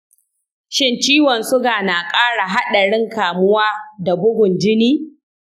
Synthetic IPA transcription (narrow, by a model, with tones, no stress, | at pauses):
ʃɪ˦nt͡ʃiː˦wɔ˨nsʊ˦ɡaː˨na˨kʼaː˦ɽa˨ɦa˦ɗa˨ɽɪ˦ŋkaː˨mʊ˦waː˦da˨bʊ˦ɡʷʊ˨nd͡ʒɪ˦niː˦